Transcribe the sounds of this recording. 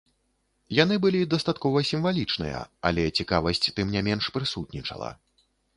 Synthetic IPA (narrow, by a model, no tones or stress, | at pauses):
janɨbɨlʲid̪ɐst̪at̪kɔvɐsʲimvalʲit͡ʂnɨ̰jɐ̰a̰lʲɛt͡sʲikavɐsʲt͡sʲt̪ɨmnʲamʲɛnʂpɾɨsut̪̚nʲit͡ʂɐ̰lˠɐ̰